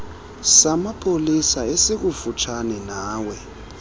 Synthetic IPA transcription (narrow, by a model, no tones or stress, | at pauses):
samapʰolisaesek̬ufut͡ʃʰanɛnaːwɛ